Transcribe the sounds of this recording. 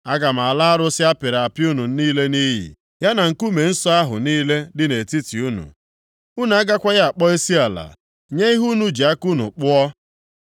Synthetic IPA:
a˦ɡa˨m̩˨a˨la˦a˦ɾʊ˦sɪ˦a˦pɪ˨ɾa˨pju˦nu˨n̩˦niː˦le˦ni˦ɦḭ˨ | ja˦na˨ŋ̩˨ku˦me˨n̩˦sɔ˦a˦ɦʊ̰˨niː˦le˦dɪ˦ne˨ti˦ti˨u˦nṵ˨ | u˦nu˨a˦ɡa˦kʷa˦ja˦a˨k͡pɔ˦i˦si˦a˨la̰˨ | ɲe˦i˦ɦu˦nu˦d͡ʒi˨a˦ku˦nʊ̰˨k͡pʊ˦ɔ˦

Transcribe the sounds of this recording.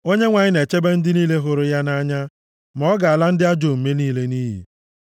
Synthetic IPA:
o˦ɲe˦ŋʷa˨ɲɪ˦ne˨t͡ʃe˦be˦n̩˦dɪ˦niː˦le˦ɦʊ˦ɾʊ˦ja˦na˦ɲa˦ | m˨ɔ˦ɡa˨a˨la˦n̩˦dɪ˦a˦d͡ʒo˨m̩˨me˦niː˦le˦niː˦ɦḭ˨

